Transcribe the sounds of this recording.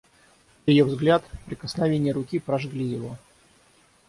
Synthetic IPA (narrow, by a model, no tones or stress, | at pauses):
njɪjovzɡlʲat̪pɾʲɪkəsnɐvʲenʲɪjəɾʊkʲipɾɐʐɡlʲijɪvo